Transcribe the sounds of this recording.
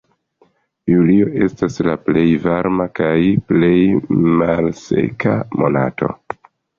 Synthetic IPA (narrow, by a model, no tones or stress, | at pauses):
julio̞ʔe̞staslaple̞jvaɾmakajple̞jmalse̞̰kamo̞na̰to̞̰